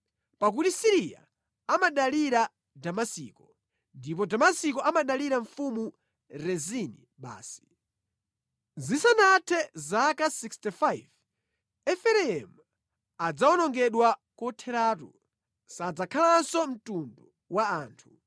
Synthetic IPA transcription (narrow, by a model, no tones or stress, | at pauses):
pak̬utisiɾia̰ | amaɗaliɾa | damasḭːkɔ | ndip̬ɔdamasikɔʔamaɗaliɾaɱfumu | ɾɛzini | ɓa̰ːsi̥ | zisanatʰɛzakasikstifajv | ɛfɛɾɛɛmu | ad͡zaɔnɔŋɡɛɗwakɔtʰɛɾaːtṵ | sad͡zakʰalansɔm̩tundu | waaːntʰu